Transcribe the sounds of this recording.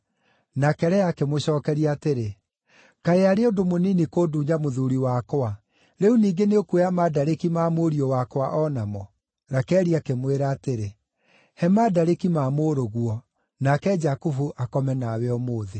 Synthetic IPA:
nakɛɾɛakemoɕɔːkɛɾiaːteɾe | kaɾeaɾeodomoninikoːduːɲamoðuɾiwakowa | ɾeuniːɡeneokweamadaɾekimaːmoɾiɔwakwaʔɔnamɔ | ɾakɛɾiakemweɾaːteɾe | hɛmadaɾekimaːmoɾoɣwɔ | nakɛd͡ʒakufuʔakɔmɛnawɛɔmoːðe

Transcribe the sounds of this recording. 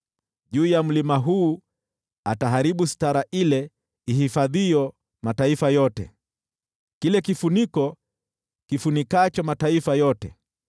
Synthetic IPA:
ʄuːjam̩limaɦuː | ataɦaɾiɓustaɾaʔilɛ | ihifaðiɔ | mataifajɔtɛ̰ | kilɛkifunikɔ | kifunikat͡ʃɔmataifajɔtɛ̰

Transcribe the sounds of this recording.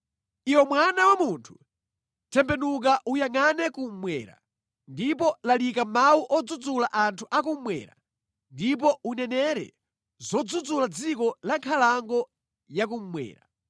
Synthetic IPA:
iwɛmwanawamuntʰu̥ | tʰɛmbɛnuk̬aʔujaŋanɛkum̩mwɛ̰ːɾa̰ | ndipɔlalikamawuʔɔd͡zud͡zulaʔantʰuʔak̬um̩mwɛ̰ːɾa̰ | ndip̬ɔunɛnɛɾɛ̰ | zɔd͡zud͡zulad͡zikɔlaŋkʰalaŋɡɔ | jak̬um̩mwɛ̰ːɾa

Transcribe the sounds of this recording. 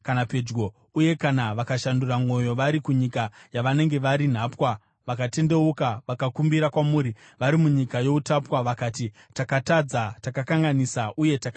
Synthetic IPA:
kanape̞d͡ʒɡo̞ | uje̞kanaʋakaʃanduramwo̞jo̞ʋaɾikuɲikajaʋane̞ŋɡe̞ʋaɾin̤aːpwa | ʋakate̞nde̞ukaʋakakumbiɾakwamuːɾi | ʋaɾimuɲikajo̞utapwaʋakaːti | takatad͡zatakakaŋɡanisaʔuje̞taka

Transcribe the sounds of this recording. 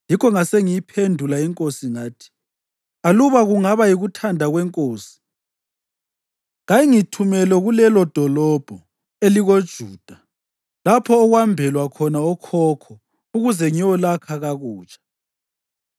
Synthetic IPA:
jikʰɔŋaseŋijipʰendʱulaiŋkʼosiŋaːtʰi̥ | aluβaɣuŋaβajiɣutʰandʱaɣwɛŋkʼoːsi̥ | ŋajiŋitʰumɛlɛɣulɛlɔd̥ʱɔlɔb̥ʱɔ | eliɣod̥ʒ̥ʱuːd̥ʱa | lapʰɔːɣwambʱɛlwakʰɔnaɔkʰɔːkʰɔ | uɣuzɛŋiwɔlakʰaɣaɣuːt͡ʃʼḁ

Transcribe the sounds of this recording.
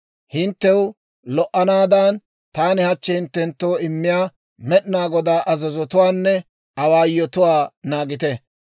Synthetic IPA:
hɪnt̪ːɛwʊ | lɔʔːɐnaːd̪an | t̪aːnɪhɐt͡ʃːɛhɪnt̪ːɛnt̪ːo̞ːɪmːɪjaː | mɛɗnaːɡɔd̪aːʔɐzɐzɔt̪ʊwaːnːɛ | ɐwaːjːɔt̪ʊwaːnaːɡɪt̪ɛ

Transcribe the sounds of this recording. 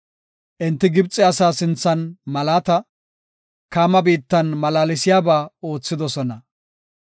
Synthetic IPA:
ʔɪnt̪ːɪɡɪbt͡sʼːɪɐsaːsɪnt͡sːɐnmɐlaːt̪ɐ | kaːmɐbiːt̪ːɐnmɐlaːlɪsɪjaːbaːo̞ːt͡sːɪd̪ɔsɔnɐ

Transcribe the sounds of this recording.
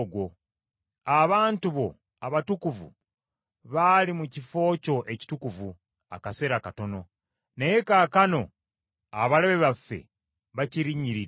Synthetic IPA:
ɡwo | aβaːntuβo̞ | aβatukuvṵ | βalimucifo̞ːco̞ʔe̞ci̥tukuvu | a̰kase̞ɾakato̞no̞ | nejekaːkano̞ | aβaleβe̞βafːe̞̰ | βaciɾiɲːiɾi

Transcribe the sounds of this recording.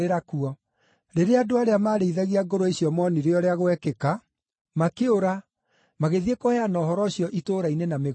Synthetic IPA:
eɾakuɔ | ɾeɾeadoaɾeamaːɾeiðaɣiaɡoɾoeɕjɔmɔniɾeɔɾeaɣwɛkeka | makeoɾa | maɣeðiekohɛanɔːɦɔɾɔɕjɔʔitoːɾainenameɣ

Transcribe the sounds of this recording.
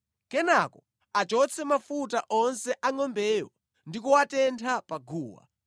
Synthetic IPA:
kɛnakɔ | at͡ʃɔt͡sʰɛmafutaʔɔnsɛʔaŋɔmbɛːjɔ̰ | ndikuwatɛntʰapaɡʱuːwa̰

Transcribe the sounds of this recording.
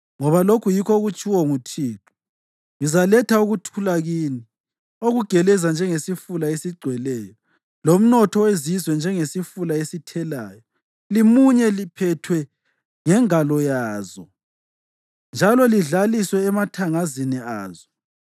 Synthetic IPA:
ŋɔβalokʰujikɔɣut͡ʃʼiwɔŋutʰiːǁu̥ | ŋizalɛtʰauɣutʰulaɣiːni | oɣuɡ̥ʱɛlɛzand͡ʒʱɛŋesifulaesiɡ͡ǀʱwɛlɛːjɔ | lom̩nɔtʰɔwezizwɛnd͡ʒʱɛŋesifulaesitʰɛlaːjɔ | limuɲɛlipʰɛtʰwɛ | ŋɛŋalɔjaːzɔ | nd͡ʒʱalɔliɮaliswɛːmatʰaŋaziniaːzɔ

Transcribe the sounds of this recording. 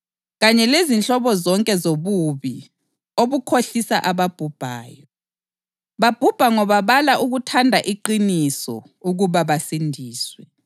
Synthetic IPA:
ɣaɲɛlezint͡ɬʼɔβɔzɔŋkʼɛzoβuβi | oβukʰoɬisaʔaβab̥ʱub̥ʱa̰ːjɔ | βab̥ʱub̥ʱaŋɔβaβalaʔuɣutʰandʱaʔiǃinisɔ̰ | uɣuβaβasindʱiːswɛ

